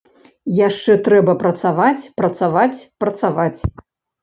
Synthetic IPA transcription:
jaʂt͡ʂɛt̪ɾɛbɐpɾɐt̪savat͡sʲpɾɐt̪savat͡sʲpɾɐt̪savat͡sʲ

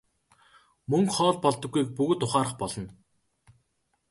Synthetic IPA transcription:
mɵŋkχɔːɮpɔɮt̪ɞ̆ɡːujk̚pɵɣɵ̆t̪ːʊχaːɾə̆χpɔɮɞ̆n

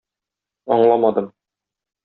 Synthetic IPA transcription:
ɒɴlˠɑmɑd̪ɤm

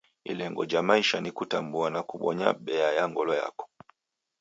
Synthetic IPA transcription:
ḭlɛŋɡɔd͡ʒamaiʃanikutambuanakuɓɔɲa̰ɓɛajaŋɡɔlɔja̰kɔ̥

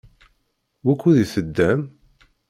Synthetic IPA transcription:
wækʷːuðiθəd̪ːæm

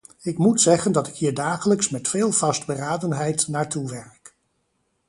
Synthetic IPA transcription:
ɪkmutsɛχəndɑtɪkɦiːɹdaːχələksmɛtfeːlˠvɑsd̚bəraːdənɦɛjtnaːɹtuʋɛɹk

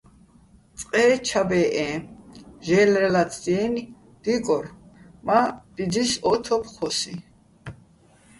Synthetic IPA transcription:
t͡sʼqʼɛːt͡ʃʰabɛːʔɛ̃ | ʒɛːlɾɛlat͡sʰd̪iɛni | d̪̥ikʼɔɾmad̪̥id͡zisɔt̪ʰɔpχɔsi

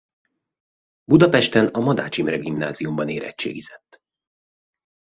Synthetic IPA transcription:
bud̪ɒpɛʃt̪ɛnɒmɒd̪a̰ːt͡ʃimrɛɡimna̰ːziumbɒneːɾɛ̰t͡ʃːḛːɡizɛt̪ː

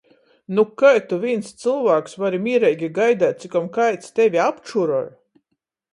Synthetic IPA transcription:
nukajt̪uvʲinst̪sɨlˠvaːksvaɾimʲiːɾɛjɡʲiɡajd̪æːt̪̚t̪sikamkajt̪st̪ɛvʲiapt͡ʃuɾɔɾ

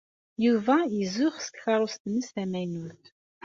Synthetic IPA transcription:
juvæizʊʁsə̥kxɑɾˤʊst̪nːəsθæmænuθ

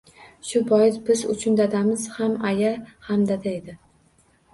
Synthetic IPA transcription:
ʃʊbɒjɪsbɪzʊ̰t͡ʃʰʊnd̪ad̪amɪz̥hamajahamd̪ad̪aed̪ɪ

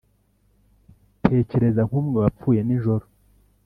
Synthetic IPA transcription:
tʰe̞ːce̞ɾe̞zaŋ̥huːmŋeβap͡fuːje̞niʒoɾo

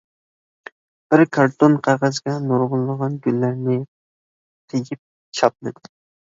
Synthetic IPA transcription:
b̥ɪɾkʰɑɾt̪onqʰɑʁɑzɡʲɛnoɾʁʊlˠːəʁɑnɡʲynːæɾnɪ | t̪ʰeɡʲip̚ | t͡ʃʰɑp̚mɪd̪ɪ

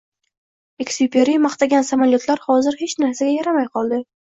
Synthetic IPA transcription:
ekʲsipʰʲeɾijmɑχt̪aɡʲansamaljot̪laɾhɒzɪɾhet͡ʃnaɾsaɡʲajaɾamajqʰɒlˠd̪ɪ

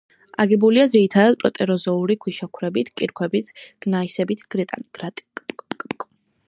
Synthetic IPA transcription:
aɡɛbuliad̪ziɾit̪ʰad̪ad̪̚pʼɾɔt̪ʼɛɾɔzɔuɾikʰwiʃakʰwɾɛbit̪ʰkʼiɾkʰwɛbit̪ʰɡ̥naisɛbit̪ʰɡ̥ɾɛt̪ʼa̰niɡ̥ɾat̪ʼikʼkʼkʼkʼ

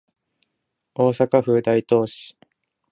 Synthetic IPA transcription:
o̞ːsakaɸɯ̟ːd̪ait̪o̞ːɕi̥

